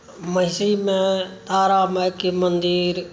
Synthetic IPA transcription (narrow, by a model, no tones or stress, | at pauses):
məɪsiːmẽt̪aːɾaːməːkimənd̪iːɾ